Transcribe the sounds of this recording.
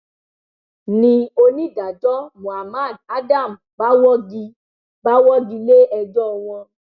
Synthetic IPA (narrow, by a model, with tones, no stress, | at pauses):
nĩ˧o˧nĩ˦da˨d͡ʒɔ˦mũ˨a˨ma˦˨d̚a˦da˦˨m˨ba˦wɔ˦ɡi˧ | ba˦wɔ˦ɡi˧le˦ɛ˧d͡ʒɔ˦˧˨w̃ɔ̃˧